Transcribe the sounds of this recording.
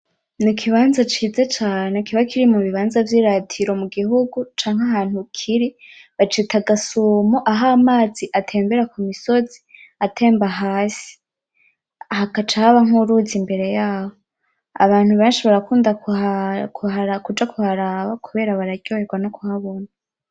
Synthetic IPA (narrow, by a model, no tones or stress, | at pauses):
nikʰiβaːnzat͡ʃiːze̞t͡ʃaːnekiβakiɾimuβiβaːnzavjiːɾatʰiɾo̞muɡiɦuɡut͡ʃaːŋhaɦaːn̥hukʰiɾiβat͡ʃetaɡasomoʔaɦaːmaːziʔatʰe̞ːmbeɾakumiso̞z̥i | atʰe̞ːmbaɦaːsi̥ | ahakat͡ʃahaβaŋuɾuzimbe̞ɾe̞jaːho | a̰βaːn̥huβeːnʃiβaɾakuːndakakhaɾakud͡ʒakuhaɾaβakuβe̞ːɾaβaɾaɟɟoːeɡwanokuhaβo̞na